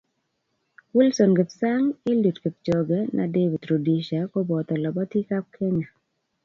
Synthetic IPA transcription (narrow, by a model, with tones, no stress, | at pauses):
ku˦lsɔ˨nɡɪ˨psa˦ŋɪ˦lu˨tkɪ˨p̚t͡ʃo˨ɡɛ˦nʔa̰˨de˦bi˨t̪ɾo˨di˨ʃa˨ko˦bɔ˨t̪ɔ˨lɔ˨bɔ˦t̪i˦ka˦p̚kʰe˦ɲa˨